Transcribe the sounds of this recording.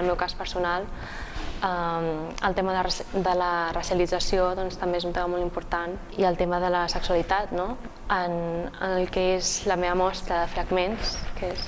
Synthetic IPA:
əlˠmɛwkaspəɾsunalˠ | əəlˠt̪eməðərd̪ələrəsiəlid͡zəsioðɔnst̪əmbeezunt̪eməmolˠimpuɾt̪an | iəlˠt̪eməðələsəksuəlit̪at̪no | ənə̰nəlˠkɛezləmeβəmɔst̪ɾəðəfɾəɣmenskes

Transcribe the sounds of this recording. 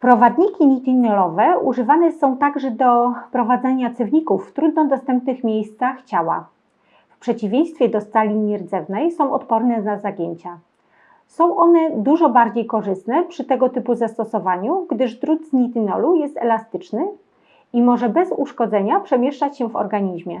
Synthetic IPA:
pɾɔvad̪ɲikʲiɲit̪inɔlɔvɛuʐɘvanɛsɔ̃w̃t̪aɡʐɛd̪ɔpɾɔvad̪zɛɲat̪sɛvɲikufːt̪ɾud̪nɔd̪ɔst̪ɛmp̚nɘxmʲjejst̪saxt͡ɕawa̰ | fpʂɛt͡ɕivʲjẽj̃st̪fʲjɛd̪ɔst̪alʲimʲɛɾd̪zɛvnɛjsɔ̃w̃ʔɔt̪pɔɾnɛnazaɡʲjeɲt͡ɕa | sɔ̃w̃ʔɔnɛd̪uʐɔbaɾd͡ʑejkɔʐɘst̪nɛpʂɘt̪ɛɡɔt̪ɘpuzast̪ɔsɔvaɲuɡd̪ɘʐd̪ɾud̪zɲit̪inɔ̰lujɛst̪ɛ̰last̪ɘt͡ʂnɘ | imɔʐɛbɛzuʂkɔd̪zɛɲapʂɛmʲjɛʂt͡ʂat͡ɕɕɛvɔ̰ɾɡaɲiʑmʲɛ

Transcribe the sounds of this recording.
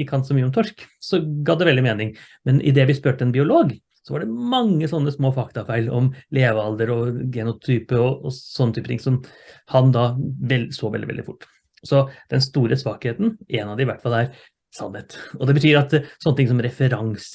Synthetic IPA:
əkʰɑnt̪sɔmyːəɔmt̪ʰɔʂksɔɡɑd̪ɛʋɛld̪ɪmeːnɪŋ | mɛnʔɪ̰d̪ɛʋɪspøːʈəɛnbɪʊloːɡ | sɔʋɑɖɛmɑŋːəsɔnːəsmoːfɑkt̪ɑfæɪlɔ̰mleːʋəɑld̪əɾɔɡɛnʊt̪ʰyːpəɔɔsɔnːət̪yːpət̪ɪ̰ŋsɔmhɑnd̪ɑʋɛlsoːʋɛ̰ldɪɛ̰ld̪ɪ̰fʊ̰ʈː | sɔd̪̥ɛnst̪uːɾəsʋɑːkheːt̪n̩ʔenɑd̪ɛɪʋæʈːfɑlːæɾ | sɑ̰nheːt̪ɔd̪ɛbət̪ʰyːɾɑt̪sɔnːət̪ɪŋs̬ɔmɾɛfəɾɑŋs

